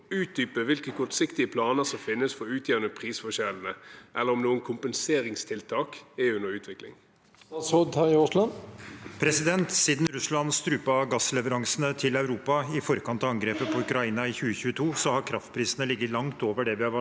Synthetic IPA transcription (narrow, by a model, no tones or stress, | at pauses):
ʉːt̪̚d̪yːpəʋɪlkəkʰɔʈ̪sɪkt̪ɪəpʰlɑːnəsɔmfɪnːəsfɔɾʉːt̪ʰjæːʁnəpʰʁiːsfɔʂɛln̩əʔɛlːəɾɔmnuːənkʰʊmpənseːɾɪŋst̪ʰɪlt̪ʰɑːkɛʉnəɾʉːt̪ʰʋɪklɪ̰ŋ | ɑsoːd̪hɑɪʁʉslɑnpʰɾɛsɪd̪ɛnt̪siːd̪nɾʉslɑnst̪ɾʉːpɑɑɡɑslɛʋəɾɑŋsənət̪ʰɪlɑʉɾuːpɑɪfɔɾkɑnt̪ɑːɑŋɡɾeːpəpʰɔʉkɾɑiːnɑɪçʉːəçʉːət̪ʰuːsɔhɑɾkʰɾɑft̪pʰɾiːsənəlɪɡːəlɑŋt̪oːʋəɖɛʋɪhɑʋɑ